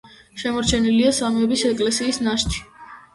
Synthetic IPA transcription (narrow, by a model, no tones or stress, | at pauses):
ʃɛmɔɾt͡ʃʰɛniliasamɛbisɛkʼlɛsiːsnaʃt̪ʰi̥